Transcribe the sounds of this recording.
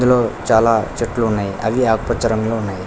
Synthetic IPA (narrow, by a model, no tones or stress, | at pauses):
d̪ulo̞ːt͡ʃaːlaːt͡ʃeʈːluːnːaːjiʔɐʋiaːkupɐt͡ʃːɐɾɐŋlounːaːji